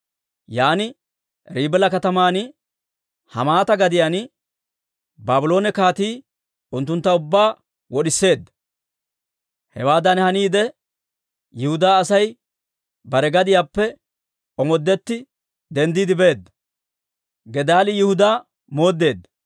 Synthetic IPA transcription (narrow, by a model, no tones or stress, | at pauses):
jaːnɪ | ɾiːbɛlɐkɐt̪ɐmaːn | hɐ̰maːt̪ɐɡɐd̪ɪjan | baːbʊlo̞ːnɛkaːt̪iː | ʊnt̪ːʊnt̪ːɐʊbːaː | wɔɗɪsːe̞ːd̪ːɐ | hɛ̰waːd̪ɐnhɐniːd̪ɛ | jɪhʊd̪aːsɐj | bɐɾɛɡɐd̪ɪjaːpːɛ | ɔmɔd̪ːɛt̪ːɪ | d̪ɛnd̪iːd̪ɪbe̞ːd̪ːɐ̥ | ɡɛd̪aːlɪjɪhʊd̪aː | mo̞ːd̪ːe̞ːd̪ːɐ̥